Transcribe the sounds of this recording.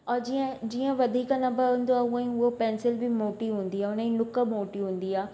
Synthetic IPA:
ɔːɾd͡ʑiə̃d͡ʑiːə̃ʋɐd̪ʱiːknɐbəɦũːn̆d̪oaːʊə̃ĩʊɦopɛ̃ːnsɪlbʱɪmoːʈiɦũːn̆d̪iaːʊnəĩnʊkəmoːʈiɦũːn̆d̪iaː

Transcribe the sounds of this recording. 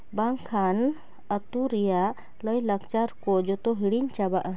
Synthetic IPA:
baŋkʰan | ət̪uɾija | ləjləkt͡ʃaɾkɔd͡ʒɔt̪ɔɦiɽiɲt͡ʃabaʔ

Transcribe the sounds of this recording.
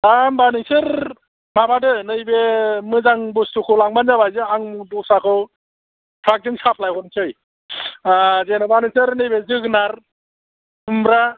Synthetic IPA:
ambanɯsɯɾ | mabadɯnɯjbemɯzaŋbustukʰɯlaŋbanzabajzɯaŋmdusakʰɯ | pʰɾak̚dɯŋsapʰlajɦɔnsʰɯj | azenɯbanɯsɯɾnɯjbezɯɡnaɾ | ɯmbɾa

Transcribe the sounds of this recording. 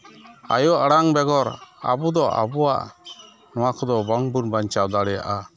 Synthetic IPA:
a̰jɔʔaɽaŋbɛɡɔɾa̰bɔd̪ɔʔa̰bɔwa̰ʔ | nɔwakɔd̪ɔbɔŋbunbaɲt͡ʃawd̪aɽɛja̰ʔa

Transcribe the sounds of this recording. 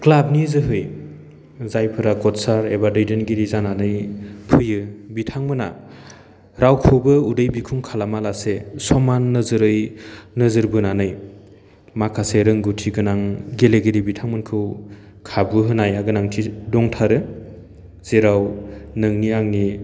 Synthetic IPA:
klab̚nizɯɦɯj | zajpʰɯɾakɔt̚saɾebadɯjdenɡiɾizananɯjpʰɯjɯbitʰaŋmɯna̰ | ɾʔawkʰubɯudɯjbikʰuŋkʰalamalasesɔmanːɯzɯɾɯjnɯzɯɾbɯnanɯj | makʰaseɾɯŋɡutʰiɡɯnaŋɡeleɡiɾibitʰaŋmɯnkʰɯw | kʰabɯɦɯnajaɡɯnaŋtʰidɔŋtʰaɾɯ | z̥eɾawnɯŋniaŋni

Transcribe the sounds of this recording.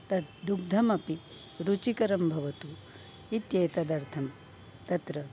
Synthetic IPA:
t̪ɐt̪d̪uɡ̚d̪ʱɐmɐpi | ɾut͡ʃikɐɾɐmbʱɐʋɐt̪u | it̪jeːt̪ɐd̪ɐɾt̪ʰɐm | t̪ɐt̪ɾɐ

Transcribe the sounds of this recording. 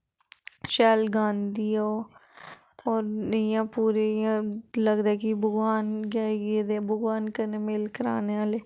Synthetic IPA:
ʃɛːlɡãːnd̪iːaoː | ɔːɾnəjãːpuːɾeːãːləɡd̪aːɛːkɪbʊɡʋaːnɡjaːiɡeːd̪ebʊɡʋaːnkənemɪlkəɾa̰ːneaːleː

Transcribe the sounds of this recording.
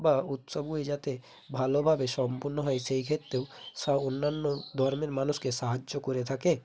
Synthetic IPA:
baut̪sobued͡ʑat̪e | bʱalobʱabeʃɔmpuɾnoɦɔeʃejkʰet̪ːɾewsaonːanːod̪ʱɔɾmeɾmanuskeʃaɦad͡ʒokoɾet̪ʰake

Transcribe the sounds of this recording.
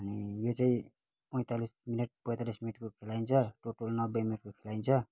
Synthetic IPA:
ʌnijot͡saĩ | pʌj̃t̪alisminʌʈ̚pʌjt̪alisminiʈkokʰelaint͡sʰʌʈoʈʌlnʌbʌjminʌʈ̚kokʰelaint͡sʰʌ

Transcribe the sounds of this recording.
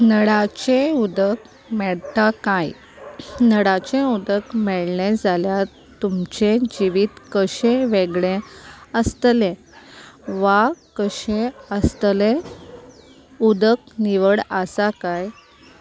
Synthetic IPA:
nəɽat͡ɕẽud̪ək | mɛɭt̪akaj | nəɽat͡ɕẽud̪əkmɛɭɳɛ̃d͡zalja | t̪umt͡ɕẽd͡ʑiʋiːt̪kəɕẽʋeɡɭẽəst̪lẽ | ʋakəɕẽəst̪lẽ | ud̪ək̚niʋəɽəsakaj

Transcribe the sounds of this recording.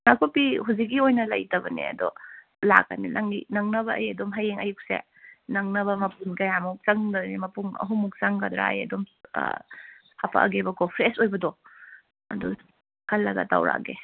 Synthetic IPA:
nakʰopiɦuzik̬ːiojnɐlɐ̰jtɐbɐnḭɐ̰dɔ̰ | la̰kːaninʔaŋinɐŋnɐβɐʔɐjɐdomɦɐjeŋɐjuk̚sḛ | nɐŋnɐβɐmɐpunkɐjamuk̚sɐŋdnimɐpuŋɐ̰ɦumuk̚sɐŋkɐd̪ɾa̰ɐ̰jɐ̰dom | hapʰa̰ʔɐ̰ɡebɐkʰopʰɾesojbɐdɔ | ɐdɔ̰ | kʰɐlːɐɡɐ̰ta̰wɾa̰ɡe

